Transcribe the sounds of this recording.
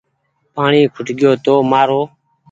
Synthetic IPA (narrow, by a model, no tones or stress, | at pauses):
paːɳiːkʰʊʈɠɪjoːt̪oːmaːɾoː